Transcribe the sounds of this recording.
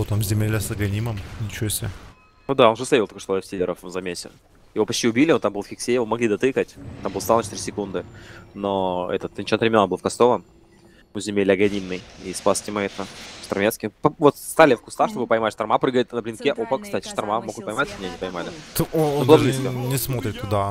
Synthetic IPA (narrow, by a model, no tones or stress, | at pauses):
ot̪amzʲɪmʲelʲəsɐɡɐnʲiməmnʲɪt͡ɕɪosʲe | ud̪ao̞nʐəsʲˠeilˠɐkoʂt̪ofʲsʲilʲɪɾəfzɐmʲesʲɪ̰ | jɪvo̞pɐt͡ɕtʲiʊbʲilʲɪont̪ambɨlˠfxʲɪksʲejɪvomɐɡlʲid̪ɐt̪ɨkətʲt̪ambɨlˠsalˠnt͡ɕʰɪt̪iɾʲɪsʲɪkund̪ɨnoɛ̰t̪ət̪nʲt͡ɕot̪pɾʲɪmʲenːbɨlˠfkɐst̪ovə | ʊzʲɪmʲelʲɐɡɐnʲimnɨjispasʲtʲɪmɐɛt̪əʂt̪ɐrmʲet̪skʲɪpvot̪st̪alʲɪfkʊst̪axʂt̪o̞bɨpəjmatʲʂt̪ɐrmapɾɨɡəɪt̪nəblʲɪnkʲeʔopəkst̪atʲɪ̥ʂt̪ɐrmamoɡ̪pəjmatʲmnʲenʲɪpəjʲɪmalʲɪt̪oodlaabliskənʲɪsmo̞t̪ɾʲɪt̪ːʊd̪a